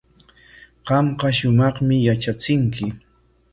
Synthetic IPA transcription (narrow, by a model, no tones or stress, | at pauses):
ɢɑmqɑʃʊmɑχmɪjat͡ʃat͡sɪŋkɪ